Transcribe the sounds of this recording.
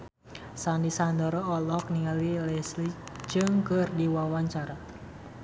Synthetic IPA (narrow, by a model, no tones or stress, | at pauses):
sandisand̪ɔɾɔɔlɔk̚niŋalilɛslid͡ʒɨŋkərdiwawaɲt͡ʃaɾa